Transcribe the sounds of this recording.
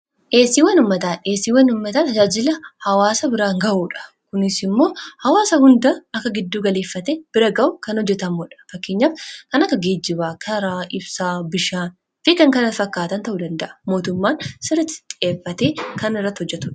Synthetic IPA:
ʔeːsiːwɐnʊmːɐt̪aːeːsiːwɐnʊmːɐt̪ɐːt̪ɐd͡ʒaːd͡ʒɪlɐhɐwaːsɐbɪɾaːŋɡɐʔuːᶑɐ̥ | kʊnɪsɪmːo̞ːhɐwaːsɐhʊnd̪ɐɐkːɐɡɪd̪ːuːɡɐle̞ːfːɐt̪eːb̥ɪɾɐɡɐʊkɐnhɔd͡ʒːɛt̪ɐmuːᶑɐ̥fɐkːeːɲːaːfkɐnɐkːɐɡeːd͡ʒːɪβaːkʰɐɾaːʔɪbsaːbɪʃaːn | fɪkɐŋkɐnɐt̪fɐkːaːt̪ɐnt̪ɐʔuːd̪ɐnd̪ɐʔɐ̥mo̞ːt̪ʊmːaːnsɪɾɐt̪ːɪ̥t̪ʼeːfːɐt̪eːkɐnɪrːɐt̪ːhɔd͡ʒːɛt̪ʊᶑɐ̥

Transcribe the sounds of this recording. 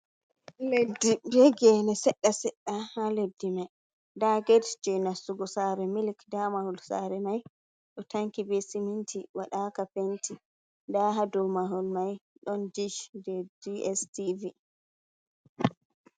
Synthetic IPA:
ledijɛɡɛnɛsɛɗːasɛɗːahaledːimaj | daɡɛdd͡ʒɛnasuɡɔsaɾɛmilkdamahulsa̰ɾɛmaj | ɗɔtaŋkibesimintʰiwaɗakapenti | daɦadumaɦulmajɗɔndid͡ʒdɛdiɛstivi

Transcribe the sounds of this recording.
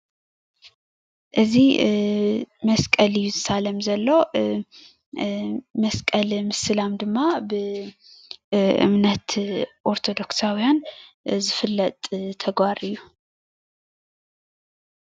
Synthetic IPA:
ʔɨzi | mɐskʼɐlɨjːuzɨsalɐmzɐlːo̞ | mɐskʼɐlmɨsɨlamd̪ɨmːabɨ | ʔɨ̰mnɐt̪ʔo̞ɾt̪ʰo̞d̪o̞ksawijan | zɨfɨlːɐt̪ʼt̪ʰɐɡwaɾɨjːu

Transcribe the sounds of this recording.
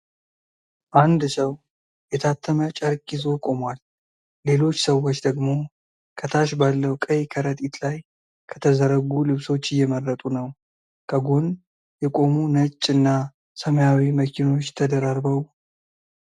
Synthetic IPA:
ʔand̪səw | jɛt̪ʰat̪ʰːəmət͡ʃʼəɾkʼɪzo̞kʼo̞mwalː | e̞lo̞t͡ʃːsəwːo̞t͡ʃːd̪əɡmo̞ | kʰət̪ʰaʃbalːəwkʼəjkʰəɾət̪ʼit̪laj | kʰə̥t̪ʰəzəɾəɡulɨβso̞t͡ʃːɪjːɛmərːət̪ʼunəw | kʰəɡon | jɛkʼo̞munət͡ʃʼːɨnːa | səməjawiməkʰino̞t͡ʃːt̪ʰəd̪əɾaɾbəw

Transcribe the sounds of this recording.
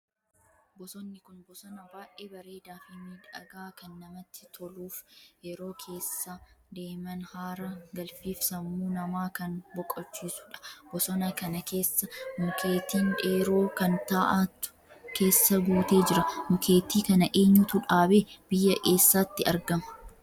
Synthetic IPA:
bɔsɔnːɪkʊnbɔsɔnɐbaːʔeːbɐɾeːd̪aːfɪmiːᶑɐ̰ɡaːkɐnːɐmɐt̪ːɪ̥t̪ʰɔluːfʔɛɾo̞ːkʰe̞ːsːad̪e̞ːmɐnhaːɾɐɡɐlfiːfsɐmːuːnɐmaːkɐnbɔkʼɔt͡ʃːiːsʊ̥ᶑɐ̥bɔsɔnɐkɐnɐkʰe̞ːsːɐmʊkʰe̞ːt̪iːnᶑeːɾo̞ːkɐnt̪aːʔat̪ːʊ̥ | ke̞ːsːɐɡuːt̪e̞ːd͡ʒɪɾɐmʊkʰe̞ːt̪iːkɐnɐʔe̞ːɲːʊt̪ʊᶑaːbeːb̥ɪjːɐʔeːsːaːt̪ːɪɐɾɡɐmɐ̥

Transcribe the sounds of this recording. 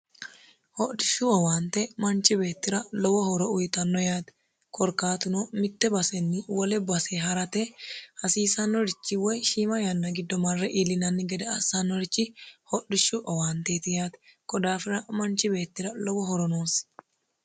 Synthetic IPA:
hɔɗɪʃʊɔwaːnt̪ɛmɐnt͡ʃɪbe̞ːt̪ːɪɾɐlɔwɔhɔɾɔʊjt̪ɐnːɔjaːt̪ɛ̥ | kʰɔɾkaːt̪ʊnɔmɪt̪ːɛbɐsɛnːɪwɔlɛbɐseɦɐɾɐt̪ɛhɐsiːsɐnːɔɾɪt͡ʃːɪwɔjʃiːmɐjɐnːɐɡɪd̪ːɔmɐrːɛʔiːlːɪnɐnːɪɡɛd̪ɛɐsɐnːɔɾɪt͡ʃːɪhɔɗɪʃːʊʔɔwaːnt̪eːt̪ɪjaːt̪ɛkʼɔd̪aːfɪɾɐmɐnt͡ʃɪbe̞ːt̪ːɪɾɐlɔwɔɦɔɾɔnoːs

